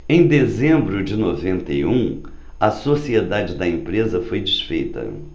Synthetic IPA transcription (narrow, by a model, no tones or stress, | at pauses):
ẽj̃d̪ezẽmbɾʊd͡ʒɪnovẽnt̪ejũ | ɐsosied̪ad͡ʒɪd̪ɐẽpɾezɐfojd͡ʒisfejt̪ɐ̰